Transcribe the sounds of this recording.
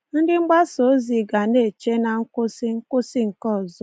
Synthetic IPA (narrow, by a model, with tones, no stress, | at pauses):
n̩˦dɪ˦ŋ͡m̩˦ɡ͡ba˦so˨˦zi˨ɡa˨ne˦˨t͡ʃe˦na˨ŋ̩˦kʊ˦sɪ˦ŋ̩˦kʊ˦sɪ˦ŋ̩˨kɔ˦˨zɔ˦